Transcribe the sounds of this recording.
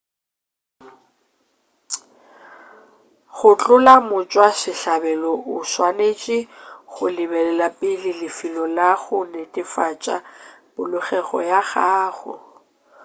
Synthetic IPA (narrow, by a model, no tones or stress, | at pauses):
ɣʊt͡ɬʼʊlamʊt͡ʃʼwasɪɬabɛlɔʔʊswanet͡ʃʼɪχʊlɪbɛlɛlapʼɪlɪlɪfilɔlaɣʊnetʼɪfat͡ʃʼa | b̥ʊlʊχɛɣɔ̰jaɣaːɣʊ̰